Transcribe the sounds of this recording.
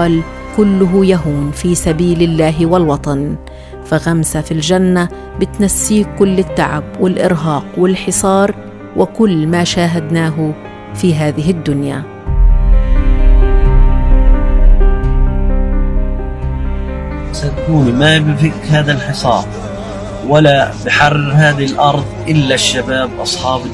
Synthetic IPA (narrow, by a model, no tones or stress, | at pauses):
ɑːl | kʊlːʊɦʊjaɦuːnfiːsabiːlɪlːaːɦwalwɑt̪ˤɑn | faɣamsafild͡ʒanːa | bɪt̪nasːiːkʊlːɪt̪ːaʕa̰bwɪlʔɪɾɦɑːqwɪlħɪsˤɑːɾˤ | wʔɪkʊlːmaːʃaːɦad̪naːɦʊ | fiːɦaːðɪɦɪd̪ːʊnja̰ | sat̪̚kuːnmabɪfɪkhaːðalħɪsˤɑ̰ːɾ | walabɪħarːɪɾɦaːðalʔɑɾˤd̪ˤʔɪlːaʃːabaːbʔɑsˤħɑːb